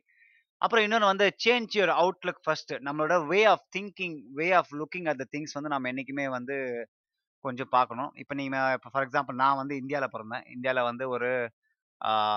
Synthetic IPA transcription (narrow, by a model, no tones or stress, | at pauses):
ʔɐ̰pːɯɾɔ̃ɪnːɔnɐʋɐnd̪ɯt͡ʃeːɲd͡ʒjoɾɐʊʈlʊkːfɐsʈnɐmːɐɭoːɽɐʋeːaːft̪ʰɪŋkɪŋʋeːaːflʊkːɪ̃ŋɡɐʈ̚d̪ɐt̪ɪŋɡsʋɐnd̪ɯnaːmːɐɛnːɪk̬ʲːɯmeːʋɐnd̪ɯ | kɔɲd͡ʒɔ̃paːɾkɐɳʊ̃ʔɪ̰pːɐniːŋɐɪpːofɐɾɛksãːmplnãːʋɐnd̪ɯɪnd̪ɪjaːlɐpɔːɾɐnd̪ḛ̃ːɪ̰nd̪ɪjaːlɐʋɐnd̪ɯɔɾɯ